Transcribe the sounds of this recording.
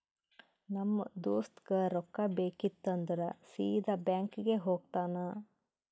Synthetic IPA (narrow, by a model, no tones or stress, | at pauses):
nɐmːɐd̪oːst̪ɡɐɾɔkːɐbeːkit̪ːɐnd̪ɐɾɐsiːd̪ɐbjaːŋkiɡeɦoːɡ̚t̪aːnɐ